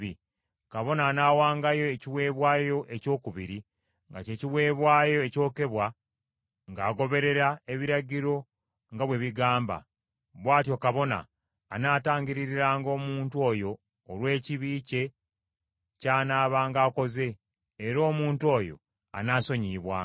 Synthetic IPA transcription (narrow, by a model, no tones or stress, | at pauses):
i | kaβo̞naːnaːwaːŋɡajo̞eciwe̞ːβwaːjo̞ʔe̞co̞ːkuβiɾi | ŋɡa̰ce̞ciwe̞ːβwaːjo̞eco̞ːke̞βwa | ŋɡaːɡo̞βe̞ɾe̞ɾae̞βiɾaɟiɾo̞ | ŋɡaβwe̞βiɡaːmba̰ | βwaːtjo̞kaβo̞na̰ː | naːtaːɲɟiɾiɾiɾaːŋɡo̞ːmuːntuo̞jo̞ː | lwe̞ːciβiːce̞ | caːnaːβaːŋɡaːko̞ze̞ː | ɾo̞ːmuːnto̞ːjo̰ | a̰naːso̞ɲiːβwa̰ː